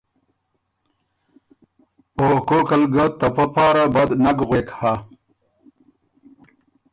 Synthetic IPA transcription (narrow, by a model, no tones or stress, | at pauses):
okokɐlɡɐt̪ːɐpɐpɑːɾabɐd̪nɐɡɣweːkha